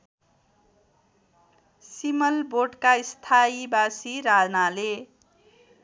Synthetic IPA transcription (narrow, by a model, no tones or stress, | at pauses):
simʌlboɖkaist̪ʰaibasiɾad͡znale